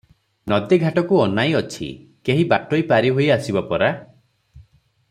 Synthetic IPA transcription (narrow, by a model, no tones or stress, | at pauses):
nɔd̪eɡʱaʈɔkuɔnajɔt͡ʃʰḭkeɦibaʈɔjpaɾiɦojasibapɔɾa